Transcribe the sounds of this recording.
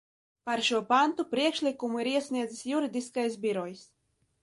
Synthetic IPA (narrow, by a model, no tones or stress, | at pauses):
paɾʃuɔpant̪upɾiɛkʃlʲikumuiɾiɛsʲnʲiɛd̪zɨsjuɾid̪iskajsbʲiɾɔjs